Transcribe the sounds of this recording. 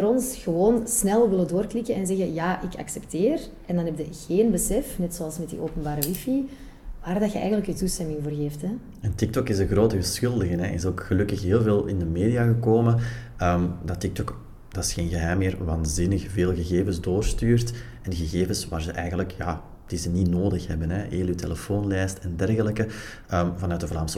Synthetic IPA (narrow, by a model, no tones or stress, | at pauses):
vəɾɔnsɣəʋoːnsnɛlˠʋɪlədoːrklɪkəɛnzɛɣəjaːʔɪkɑ̰ksɛpteːrʔɛndɑnɦɛb̚dəɣeːnbəsɛfnɛtsoɑlˠsmɛtdḭʔoːpənbaːɾəʋifi | ʋaːrdɑxəʔɛ̰jɣəntləkyːtustɛmɪŋvoːrɣeːftɛ | ɛntɪk̚tɔkɪzəɣroːtəɣəsxʏlˠdəɣənɛɪsoːkxəlɵkəxɦeːlˠveːlˠɪ̰ndəmeːdijaɣəkoːmə | əːmdɑtɪk̚tɔk | d̥ɑɪsxeːnɣəɦɛjmːɪːrʋaːnzɪnəxveːlˠɣəɣeːvəzdoːrstyːrt | ɛnɣəɣeːvəsʋa̰ːrzəʔɛjɣənləkʰja̰ | d̥izənitnoːdəxhɛ̰bənɛʔeːlytʰḛləfoːnlɛːstɛndɛrɣələkə | əːmvɑnœːt̚dəvlaːmsə